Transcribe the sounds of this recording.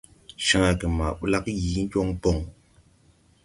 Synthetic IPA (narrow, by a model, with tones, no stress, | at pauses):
ʃã˦a˨kə˨ma˨ɓu˦la˦k̚ji˨˦ŋ̩˦kɔ˦ŋpɔ˦˨ŋ